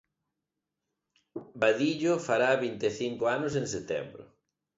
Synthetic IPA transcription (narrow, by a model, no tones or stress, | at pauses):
baðiʎʊfaɾaːβint̪eθiŋkʊanʊs̬ẽŋset̪ɛ̰mbɾʊ̰